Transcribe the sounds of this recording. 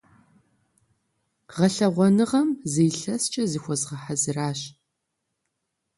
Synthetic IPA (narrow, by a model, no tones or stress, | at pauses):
ʁɐɬɐʁʷɔnɨʁɐmzejɬɐst͡ʃʼɐzixʷɔzʁɐħazɨraːɕ